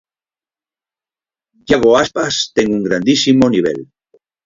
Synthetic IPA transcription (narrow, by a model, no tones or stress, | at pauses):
jaɣoaspast̪eŋɡuŋɡɾand̪isimoniβ̞ḛl